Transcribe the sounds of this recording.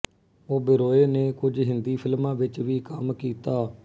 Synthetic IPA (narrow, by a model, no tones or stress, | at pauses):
oːbɪɾoːeːneːkʊd͡ʒɦɪnd̪iːpʰɪlmãːʋɪt͡ʃʋiːkəmkiːt̪aː